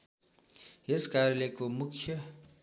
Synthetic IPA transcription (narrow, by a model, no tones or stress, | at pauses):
eskarʌlekomukʰjʌ